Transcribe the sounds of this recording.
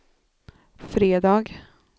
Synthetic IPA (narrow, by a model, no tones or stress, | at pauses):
fɾeːd̪ɑːɡ